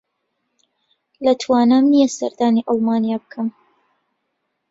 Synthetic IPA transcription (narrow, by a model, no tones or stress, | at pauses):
lɐt̪ʰwaːnaːmnijasɐ̰ɾd̪aːniːʔɑlˠmaːnijaːbɨkʰɨm